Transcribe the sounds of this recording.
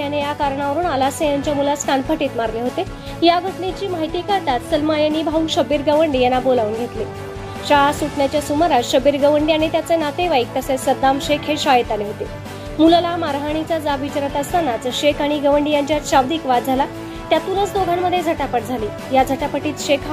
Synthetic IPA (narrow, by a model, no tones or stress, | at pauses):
janejakaɾɳaʋəɾuːnalasejaɲt͡ɕjamulaskanpəʈiːt̪maɾleɦot̪e | jaɡʱəʈnet͡ɕiːmaɦit̪iːkəɾt̪at̪səlmajəniːbʱauːɕəbiːɾɡəʋəɳɖijenːabolaʋunɡʱet̪li | ɕaasuʈɳjat͡ɕjasuməɾaɕəbiːɾɡəʋəɳɖianet̪jat͡senat̪eʋajk̚t̪əsesəd̪amɕekʰeɕajet̪aneɦot̪e | mullamaɾɦaɽ̃it͡sad͡zaʋʱit͡ɕɾət̪əst̪anat͡sɕekʰaɽ̃iɡəʋəɳɖijaɲt͡ɕjat͡sɕawd̪iːkʋad̪d͡zʱala | t̪jat̪uːnət͡sd̪oɡʱamməd̪ʱːjed͡zʱəʈapəʈ̚d͡zʱaliː | jad͡zʱəʈapəʈiːt̪ɕekʰa